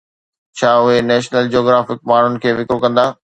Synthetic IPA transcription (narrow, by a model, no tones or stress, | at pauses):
t͡ɕʰaːʊɦenɛːʃnəld͡ʑoːɡɾaːfɪk̚maːɳ̤ʊnɪ̆kʰeːʋɪkɾokɐ̃nd̪aː